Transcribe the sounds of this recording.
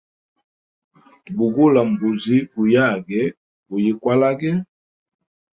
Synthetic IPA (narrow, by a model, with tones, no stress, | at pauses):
bu˨ɡu˦la˨m˨bu˨zi˦ku˨ja˦˨ɡɛ˦ | bu˨ji˨kwa˦la˦ɡɛ˦